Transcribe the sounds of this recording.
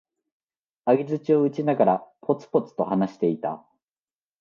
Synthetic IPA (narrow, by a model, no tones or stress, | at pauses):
aɡʲizɨt͡ɕio̞ɯt͡ɕinaɡaɾapʰo̞t͡sɨ̥po̞t͡sɨ̥t̪o̞hanaɕi̥t̪e̞it̪a̰